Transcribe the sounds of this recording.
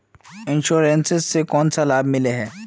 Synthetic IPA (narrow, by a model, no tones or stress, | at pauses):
ɪ̃nʃuːɾensɪzsekɔːnsalaːbmɪleɦɛː